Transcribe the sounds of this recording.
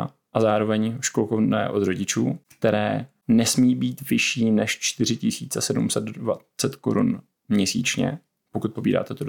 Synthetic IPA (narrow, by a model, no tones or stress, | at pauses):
ʔazaːɾo̞vɛɲʃkolkovnɛ̰ːʔo̞d̪ro̞ɟɪt͡ʃuːkt̪ɛɾɛː | nɛsmiːbiːt̪vɪʃiːnɛʃt͡ʃt̪ɪr̝ɪcɪsiːt͡sɛsɛdumsɛd̪va | t͡sɛt̪ko̰ɾṵn | mɲɛsḭːt͡ʃɲɛ̰ | pokut̪̚po̞biːda̰ːt̪ɛt̪od